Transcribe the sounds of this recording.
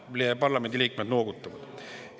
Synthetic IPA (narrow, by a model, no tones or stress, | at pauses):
lepɑrlɑme̞nd̪iliːkmed̪noːɡut̪ːˑɑvɑd̪̥